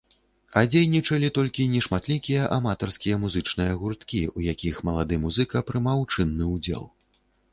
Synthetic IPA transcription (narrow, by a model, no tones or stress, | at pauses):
ɐd͡zʲejnʲit͡ʂɐlʲit̪ɔlʲkʲinʲɛʂmat̪lʲikʲijɐʔamat̪ɐrskʲijɐmuzɨt͡ʂnɨjɐɣurt̪kʲiujakʲixmɐlˠad̪ɨmuzɨkɐpɾɨmawt͡ʂɨnːɨud͡zʲɛ̰lˠ